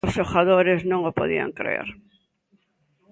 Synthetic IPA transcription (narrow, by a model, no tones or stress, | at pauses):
ʊsoxaðoɾɪznõŋopo̰ðḭa̰ŋkɾḛɾ